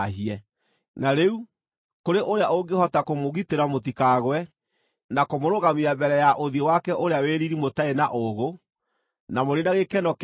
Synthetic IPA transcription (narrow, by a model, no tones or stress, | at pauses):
ɦiɛ | naɾeu | koɾeʔoɾeaʔoɡehɔtakomoɣiteɾamotikaɣwɛ | nakomoɾoɣamiabɛɾɛjaʔoðiɔwakɛʔoɾeaweɾiɾimotaenaʔoɣo | namoɾenaɣekɛnɔk